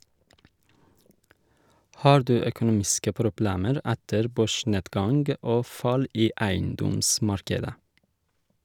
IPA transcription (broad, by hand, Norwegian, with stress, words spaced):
ˈhɑːɾ ˈdʉː œkʊˈnuːmɪskə pɾʊˈbleːməɾ ˈɛtəɾ ˈbøːˌʃɳeːdɡɑŋɡ ˈoː ˈfɑl ˈiː ˈæɪnˌdɔmˌsmɑɾkədə